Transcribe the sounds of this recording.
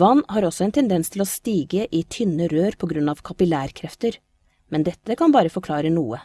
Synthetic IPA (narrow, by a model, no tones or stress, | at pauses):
ʋɑnːhɑɾɔsɔɛnt̪ʰɛnd̪ɛnst̪ʰɪlɔst̪iːɡəʔɪt̪ʰʏnəɾøːɾpʰɔɡɾʉnɑʋkʰɑpɪlæːɾkʰɾɛft̪əɾ | mɛnd̪ɛt̪ːəkʰɑnbɑːɾəfɔɾkʰlɑːɾənuːə